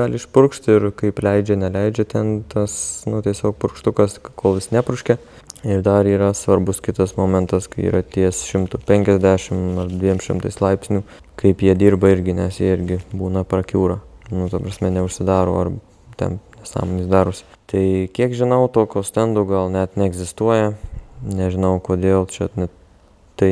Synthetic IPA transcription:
ɡɐlʲɪʃpʊɾkʃʲt̪ʲɪɾkɐɪplʲɛɪd͡ʒʲɛnʲɛlʲɛɪd͡ʒʲɛt̪ʲɛnt̪ɐsnʊt̪ʲiɛsʲoːk̚pʊɾkʃt̪ʊkɐskoːlˠʋʲɪsnʲæːpɾʊʃʲkʲɛ | ɪrd̪ɐɾiːɾɐsʋɐɾbʊskʲɪt̪ɐsmoːmʲɛnt̪ɐskɐɪḭːɾɐt̪ʲiɛsʃʲɪmt̪uːpʲɛŋʲkʲɛzʲd̪ʲæːʃʲɪmɐrd̪ʲʋʲiɛmʃʲɪmt̪ɐɪslˠɐɪpʲsʲnʲuː | kɐɪpjiɛd̪ʲiːrbɐɪɾʲɡʲɪnʲɛsjiːɪɾʲɡʲɪbuːnɐpɾɐkʲuːɾɐnʊt̪ɐpɾɐsʲmʲɛnʲɛʊʃʲsʲɪd̪ɑːɾo̰ːɐr | t̪ʲɛ̰nnʲɛsɑ̰ːmoːnʲiːsd̪ɑːɾʊsʲ | t̪ɐɪkʲiɛkʒʲɪnɐʊt̪oːkʲoːsʲt̪ʲɛnd̪oːɡɐlˠnʲɛt̪nʲɛɛɡzʲɪst̪uɔjɛnʲɛʒʲɪnɐʊkoːd̪ʲeːlˠt͡ʃʲɛnʲɛ | t̪ɐɪ

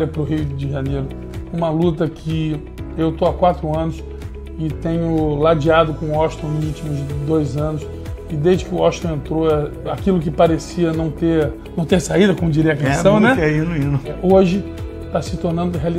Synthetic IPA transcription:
ɾjɐpɾʊɦijʊd͡ʒɪʒanejɾʊ | ũmɐlut̪̬ɐkʰɪ | ewt̪oakwat̪ɾʊɐ̃nʊs | ɪt̪ẽɲʊlad͡ʒiad̪ʊkõʊɔʃt̪õw̃nʊzut͡ʃimʊzd̪ojzɐ̃nʊs | ɪd̪eʒd͡ʒɪkɪʊɔʃt̪ɐ̃w̃ẽnt̪ɾoɛ | akilʊk̬ɪpaɾesiɐnɐ̃w̃t̪eɾnɐ̃w̃t̪eɾsaid̪ɐkõmʊd͡ʒiɾiɐkesɐ̃w̃nɛɛinuĩnʊɛoʒɪ | t̪asɪt̪oɾnɐ̃nd̪ʊɦeali

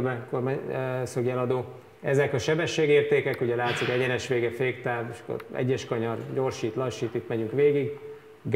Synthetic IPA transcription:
bɛkormasøɡɛlɒd̪oː | ɛzɛkɒʃɛbɛʃːeːɡeːrt̪eːkɛkuɟɛlaːt̪sikɛɟɛnɛʃʋeːɡɛfeːkt̪aːveʃɒ̥kːo̰ɾɛ̰ɟːɛʃkɒɲɒrɟo̞rʃiːt̪lɒʃiːt̪it̪mɛɟyŋkʋeːɡiɡ | ɡ

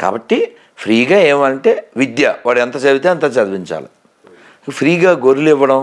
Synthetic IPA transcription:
ka̰ːbɐʈːi | pʰɾiːɡaːeːmɐɳʈe̞ːʋid̪jɐʋaːɽɛnt̪ɐt͡ʃɐʋit̪eːɐnt̪aːt͡ʃɐd̪ʋiɲt͡ʃa̰ːlṵ | ɐpʰɾiːɡaːɡoɾuliʋːɐɽɐm

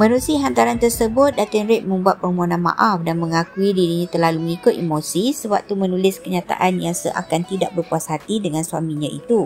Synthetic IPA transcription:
mãnusiiɦant̪aɾant̪ərsəbʊt̪̚dat̪ənɾɪʔ̪̚mə̃mbuat̪̚pərmanãnma̰ʔafdanmə̃ŋakuidiɾiɲãt̪ərlaluməŋikoʔʔimosisəbap̚t̪umənulɪskəɲat̪a̰ʔanjaŋsəʔa̰kant̪idaʔ̚bərpuasɦat̪idəŋãnsuamiɲãʔḭt̪u

